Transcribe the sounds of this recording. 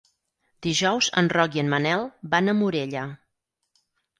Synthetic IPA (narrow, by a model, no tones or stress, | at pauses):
d̪̥iʒɔwzə̰nrɔkiənmənɛlˠbanəmuɾeʎə